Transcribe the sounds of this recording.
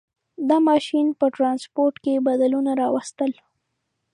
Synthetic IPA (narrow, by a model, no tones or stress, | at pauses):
d̪ɑmɑʃinpəʈɾɑnspoɾʈkebad̪alunaɾɑwast̪əl